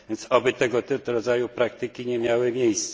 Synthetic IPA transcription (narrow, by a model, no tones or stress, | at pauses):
vʲjɛnt̪sɔbɘt̪ɛɡɔt̪t̪ɾɔd̪zajupɾak̚t̪ɘkʲiɲɛmʲjawɘmʲjejst̪s